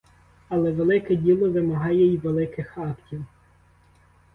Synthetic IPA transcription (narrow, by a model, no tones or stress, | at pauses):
ɐlˠɛʋelˠɪkɛdʲilˠɔʋɪmɐɦɑjɛiʋelˠɪkɪxɑktʲiw